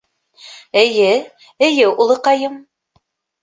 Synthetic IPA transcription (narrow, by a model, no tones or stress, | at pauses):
ɘ̆jɘ | ɘ̆jɘulˠɤqɑjɤm